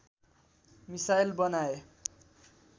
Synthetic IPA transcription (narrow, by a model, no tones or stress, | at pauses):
misajlbʌnae